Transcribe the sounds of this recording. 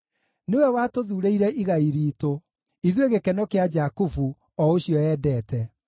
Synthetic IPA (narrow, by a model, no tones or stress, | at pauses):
newɛwatoðuɾeiɾɛʔiɣaiɾiːto | iðweɣekɛnɔkead͡ʒakufu | ɔoɕiɔjɛːdɛːtɛ